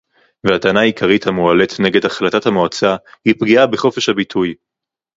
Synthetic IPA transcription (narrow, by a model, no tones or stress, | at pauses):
vehatanaːjikʰaʁithamualetne̞ɡe̞dhaχlatathamoat͡sahipɡiabeχo̞fe̞ʃhabitʰuj